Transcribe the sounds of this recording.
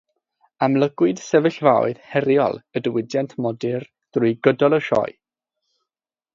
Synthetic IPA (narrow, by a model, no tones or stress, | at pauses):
amlˠəɡ̥wɨd̥sɛvəɬvaw̰ɨð̥hɛɾjɔ̰lˠədəwɪdjɛntʰmɔdɪr | ð̥rʊɨɡədɔlˠəʃɔ̰j